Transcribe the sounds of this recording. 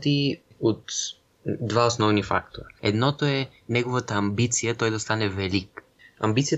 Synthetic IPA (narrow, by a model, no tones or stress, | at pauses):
t̪i | ot̪ | d̪vaosnɔvnifa̰kt̪oɾaɛ̰d̪nɔt̪oɛ | nɛɡovat̪aːmbit̪sijat̪ɔjd̪ast̪anɛvɛlik | a̰mbit̪sija